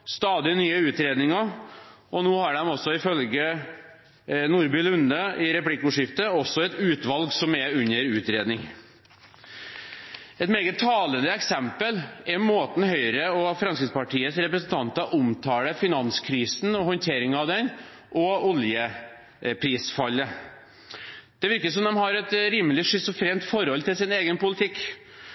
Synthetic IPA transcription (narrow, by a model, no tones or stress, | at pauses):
st̪ɑːd̪ɪnyːəʉːt̪ɾeːd̪nɪŋɑ | ɔnoːhɑɖɛmɔsːɔɪfœlɡə | nuːɾbʏlʉnːəɪɾɛplɪkːʊːʂɪft̪əɔsɔɛt̪ʉːt̪ʋɑlɡsɔmɛʉnəɾʉːt̪ɾeːd̪nɪŋ | ɛt̪meːɡətt̪ʰːɑːlənd̪əɛksɛmpəlɛmoːt̪n̩hœʏɾəɔfɾɑnskɾɪt̪spɑʈʰiːəsɾɛpɾəsənt̪ʰɑnt̪ɑʔʊmt̪ʰɑːləfɪnɑnskʰɾiːsn̩ɔhɔnt̪ʰeːɾɪŋɑʋd̪ɛn | ʔɔɔljə | pʰɾiːsfɑlːə | d̪̥ɛʋɪɾkəsɔmd̪ɛmhɑɾɛt̪ɾiːməlɪʂʏsɔfɾeːmt̪fɔɾɔlt̪ɪlsɪneːɡənpʊlɪt̪ʰɪkː